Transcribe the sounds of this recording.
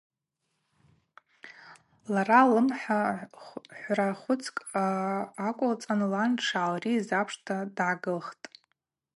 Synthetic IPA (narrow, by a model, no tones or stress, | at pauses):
laralɨmħa | ħʷraχʷʊt͡sʰkʼaːkʷʼʊlt͡sʼanlanʈ͡ʂʰaːlrizapʰʂtʰadʕaɡɨlχtʼ